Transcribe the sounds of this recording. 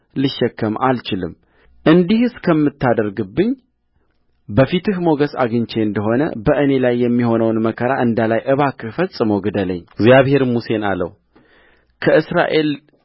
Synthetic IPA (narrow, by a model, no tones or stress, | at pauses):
lɨʃːɛkːəmʔalt͡ʃɪlɨm | ʔɨnd̪ihɨskʰəmːɨt̪ːad̪əɾɡɨbːɨɲː | bəfit̪ɨhmo̞ɡəsa̰ɡɨɲt͡ʃʰeɨnd̪əɦo̞nə̰bəʔɨne̞lajːɛmːiho̞nəwnməkʰəɾaʔɨnd̪əlajʔɨβakɨhfəsʼːɨmowɡɨd̪ələɲːɡzjaβhe̞ɾmuse̞na̰lːə̰w | kʰəʔɨsɾa̰ʔe̞l